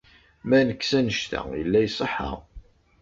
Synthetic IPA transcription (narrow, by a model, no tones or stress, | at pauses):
mænəkːsænəʃt̪æ̰jə̰lːæjsˤəħə̰